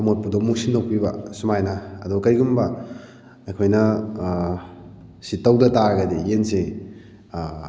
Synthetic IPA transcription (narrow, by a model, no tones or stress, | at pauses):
ɐmot̚pudomuk̚sindowkpibɐsumajnaːdɔkɐjɡumbɐ | ɐjkʰojnɐ | sitːɐwdɐtaɡɐdijense